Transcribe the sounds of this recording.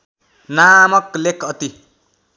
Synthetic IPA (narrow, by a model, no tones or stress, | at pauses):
namʌklekʌt̪i